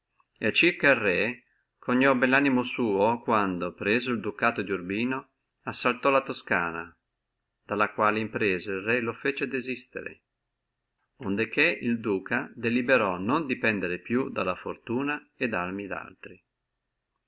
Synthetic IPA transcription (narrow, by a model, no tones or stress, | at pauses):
et͡ʃːirkailrɛ | kʰoɲːɔbɛlːaːnimosuːokwand̪opɾɛːzoild̪ukaːt̪od̪jurbiːno | asːalt̪ɔlat̪oska̰ːna | d̪̥alakwaːleimpɾɛːzailrɛlofet͡ʃed̪ezist̪ḛɾḛ | ond̪ek̟eild̪uːkad̪elibeɾɔnond̪ipɛnd̪eɾepjud̪alafort̪uːna | ed̪armid̪a̰lt̪ɾi